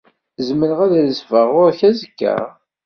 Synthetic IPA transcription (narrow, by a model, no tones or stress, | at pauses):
zmələʁæðæləsvəʁʊɾçæzəkːæ̰